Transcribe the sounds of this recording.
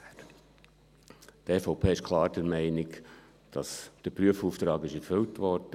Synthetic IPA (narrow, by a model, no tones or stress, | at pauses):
tɛsfɔʊpʰeːɪʃkʰlˠɑːɾd̥əɾmɛɪnɪk | d̥ɑsd̥əɾpɾyəfuːft̪ɾɑːɡɪʃɛɾfʏltʋɔɾd̥ə